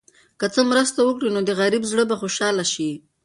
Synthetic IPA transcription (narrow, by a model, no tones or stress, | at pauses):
kət͡səmɾəst̪awəkɽinod̪əɣaɾibzɽəbaxoʃɑlaʃi